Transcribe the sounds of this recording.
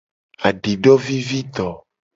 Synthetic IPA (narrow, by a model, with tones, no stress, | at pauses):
a˨ɖi˨ɖɔ˦vi˦vi˦t̪ɔ˨